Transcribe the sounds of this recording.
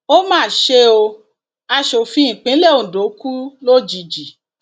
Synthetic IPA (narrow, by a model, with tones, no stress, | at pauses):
o˦mãː˦˨ʃe˧o˧ | a˧ʃo˨fĩ˧˦˨k͡pĩ˨˦le˦˨o˨do˨˦ku˦lo˦d͡ʒi˨d͡ʒi˨